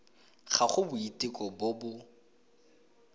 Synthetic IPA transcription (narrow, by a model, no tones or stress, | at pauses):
χaχʊbʊitʼɪkʼɔbʊbʊ